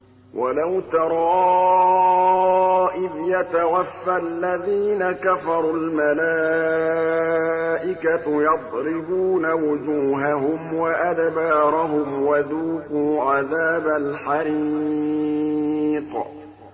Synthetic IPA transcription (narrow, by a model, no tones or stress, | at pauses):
wʔalawt̪ɑɾˤɑ | ʔɪbjat̪awafːalːaðiːnakafɑɾˤulmalaː | ʔɪkajɑd̪ˤɾɪbuːnawʊd͡ʒuːɦaɦʊmwaʔad̪bɑːɾˤaɦʊmwaðuːkuːʕaðaːbalħaɾi | q